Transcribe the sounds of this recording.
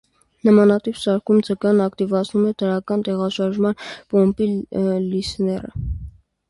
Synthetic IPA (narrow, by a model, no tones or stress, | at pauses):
nəmɑnɑt̪ipsɑɾkʰumd͡zəkɑnɑkt̪ivɑt͡sʰnumɛd̪əɾɑkɑnt̪ɛʁɑʃɑɾʒmɑnpɔmpilisnɛrə̰